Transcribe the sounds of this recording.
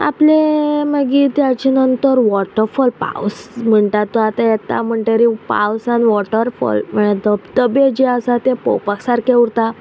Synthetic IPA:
a̰pleməɡit̪jat͡ɕenənt̪əɾʋɔʈəɾfɔlpa̰wsm̤əɳt̪at̪ːɔat̪ajɛt̪a̰m̤əɳʈeɾipa̰wsanʋɔʈəɾfɔ̰lm̤əɽed̪əbd̪əbed͡ʑeəsat̪epɔ̰wpaksaɾkeuɾt̪a

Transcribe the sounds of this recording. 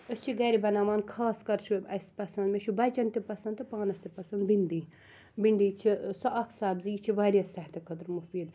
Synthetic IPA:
əst͡ʃʰiɡɐːɾibɐnaːʋaːnkʰaːskɐɾt͡ʃʰuɐspɐsɐnd̪meʃʰubɐt͡ʃɐnt̪ipɐsɐ̃nd̪ɨpaːnɐst̪ipɐsɐnd̪biɳɖ̪iː | biɳɖiːt͡ʃʰisɐʔɐksaːbziːt͡ʃʰiʋaːɾʲjɐsɐɦt̪ɐkʰɐd̪ɾmufiːd̪

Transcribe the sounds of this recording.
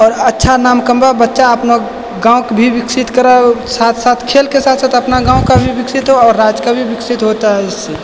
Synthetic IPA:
ɔːɾətːʃʰanaːmkə̃mbabətːʃaɐpna | ɡãːõkbʱibɪksɪt̪kəɾasaːt̪ʰsaːt̪ʰkʰeːlkesaːt̪ʰsaːt̪ʰɐpnaɡãːõkabʱibɪksɪt̪ɦoɔːɾːaːd͡ʒkabʱibɪksɪt̪ɦot̪aɦɛɪsːe

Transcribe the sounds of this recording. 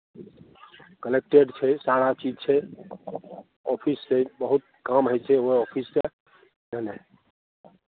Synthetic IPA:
kəlek̚ʈeɖt͡ʃʰɛsaɾat͡ʃid͡ʒt͡ʃʰɛ | ɔpʰisːebəɦut̪̚kamɦəjt͡ʃʰɛoɔpʰisːe | denɛ

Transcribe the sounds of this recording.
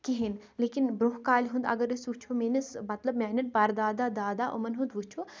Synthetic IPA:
kiɦin | leːkinbɾoɦkaːlʲɦund̪ɐ̰ɡəɾisut͡ʃʰomeːnɐsmɐt̪ləbmɛːnɐʈ̚pɐɾd̪aːd̪aːd̪aːd̪aːʔo̰mɐnɦũnd̪ʋut͡ʃʰo

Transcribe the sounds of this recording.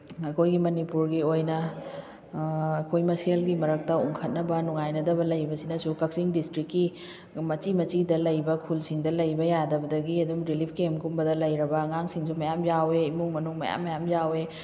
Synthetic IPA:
ɐkʰojɡimɐnipuɾɡiojnɐ | ɐkʰojmɐsielɡimɐɾɐk̚tɐuŋkʰɐt̚nɐbɐnuŋajnɐdɐbɐlɐjbɐsinɐsukɐk̚siŋdistɾikːi | mɐt͡ʃimɐt͡ʃidɐlɐjbɐkʰulsiŋdɐlɐjbɐjadɐbɐdɐɡiɐdumɾilipʰkemkumbɐdɐlɐjɾɐbɐŋaŋsiŋsumɐjamjaweimuŋmɐnuŋmɐ̰ja̰mːɐjamjawe

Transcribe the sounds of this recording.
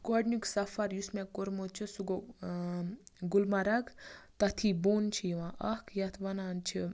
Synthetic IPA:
kɔɖnuksɐfɐɾjusmẽkoɾmot͡ʃʰisuɡo | ɡulmaɾɐɡt̪ɐt̪ʰibont͡ʃʰijiʋãʔɐkʰjɐt̪ʰʋɐnaːnt͡ʃʰi

